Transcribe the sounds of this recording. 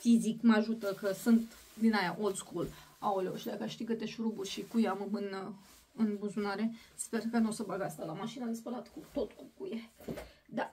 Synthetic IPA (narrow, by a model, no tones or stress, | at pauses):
fizikməaʒut̪əkəsɨnt̪ | d̪inajaʔolskul | aoleoʃid̪akaʃt̪ikət̪eʃɾuburʲʃikujamɨmɨn | ɨnbuzunaɾe̞spe̞rkanosəbaɡast̪alamaʃinad̪espəlat̪kut̪o̞t̪kukujed̪a